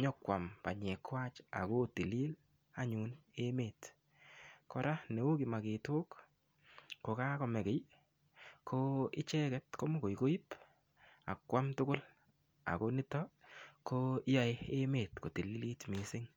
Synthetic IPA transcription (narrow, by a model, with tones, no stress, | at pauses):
ɲɔ˦kwa˨mpa˨ɲe˨kwa˦t͡ʃa̰˨ko˦ti˨li˦l | a˦ɲu˨ne˦me˨t | kɔ˦ɾa˦ne˨wo˦ki˨ma˨ke˨to˦k | ko˨ka˦kɔ˨mɛ˨kɛ˨˦j | kʰo˦ɪ˦t͡ʃɛ˦kɛ˦tko˦mo˦ko˨jko˦i˦p | a̰˨kːwa˦mtʊ˦kʊ˦l | a̰˨ko˦nɪ˦tɔ˦kʰo˦a˨ɪ˦e˦meː˨tko˨ti˨li˦li˦tmɪ˨sɪ˦ŋ